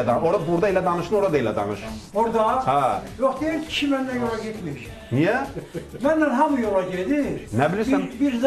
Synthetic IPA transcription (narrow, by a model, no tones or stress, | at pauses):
d̪ɑoɾɑbuɾd̪ɑelæd̪ɑnɯʃɯnoɾɑd̪aelæd̪ɑ̰nɯʃoɾd̪ɑhæjoχd̪ejæmʰi̥ʃʰimænːænjolˠɑɟet̪miʃ | nijæmænːænɦɑmujolˠɑɟed̪iɾnæbiliɾænbiɾz